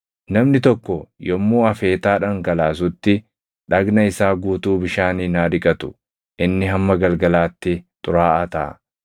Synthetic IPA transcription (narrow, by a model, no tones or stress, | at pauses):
nɐmnɪt̪ɔkːɔjɔmːuːɐfe̞ːt̪aːᶑɐŋɡɐlaːs̬ʊt̪ːɪ | ᶑɐɡnɐɪsaːɡuːt̪uːbɪʃaːninaːd̪ɪkʼɐt̪ʊ̥ | ʔɪnːɪɦɐmːɐɡɐlɡɐlaːt̪ːɪt̪ʼʊɾaːʔɐt̪ɐɐ̰